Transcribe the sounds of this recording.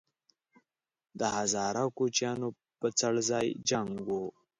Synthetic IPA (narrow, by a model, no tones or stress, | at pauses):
d̪əhazɑɾakot͡ʃjɑno | pət͡saɽzɑjd͡ʒaŋɡwo